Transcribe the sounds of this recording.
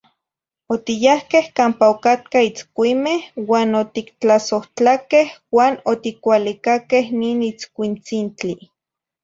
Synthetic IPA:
ot̪ijahkehkaːmpaokat̪̚kait͡skʷimehwaːnot̪ikt͡ɬasoht͡ɬakehwaːnot̪ikʷalikakehniːnit͡skʷint͡sint͡ɬi

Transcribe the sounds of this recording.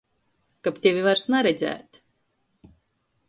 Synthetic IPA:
kapt̪ʲevʲivaɾsnaɾɛd̪zʲæ̰ːt̪ʲ

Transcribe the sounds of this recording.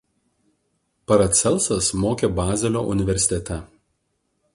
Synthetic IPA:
pɐɾɐt̪sʲɛlʲˠˑsɐsmoːkʲeːbɑːzʲɛlʲo̰ːʔʊnʲɪʋʲɛɾʲsʲɪ̥t̪ʲɛt̪ʲɛ

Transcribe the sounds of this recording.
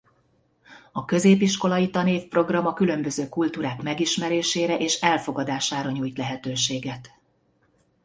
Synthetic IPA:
ɒkø̞zeːpiʃko̞lɒjit̪ɒneːfpro̞ɡrɒmɒkylø̞mbø̞zøːkult̪uːɾaːkmɛɡiʃmɛɾeːʃeːɾɛʔeːʃɛlfo̞ɡɒd̪aːʃaːɾɒɲujt̪lɛɦɛt̪øːʃeːɡɛt̪

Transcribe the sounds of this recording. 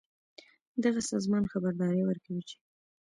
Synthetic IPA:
d̪aɣasɑzmɑnxabaɾd̪ɑɾewəɾkawit͡ʃe̥

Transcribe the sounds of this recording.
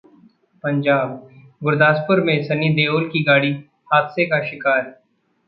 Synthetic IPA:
pɐ̃ɲd͡ʒaːb | ɡʊɾd̪aːspʊɾmẽsɐnid̪eːoːlkiɡaːɽi | haːt̪sekaʃɪkaːɾ

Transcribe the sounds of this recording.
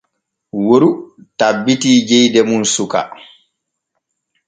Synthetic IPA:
woɾutabːitiːd͡ʒɛjdɛmunsuka̰

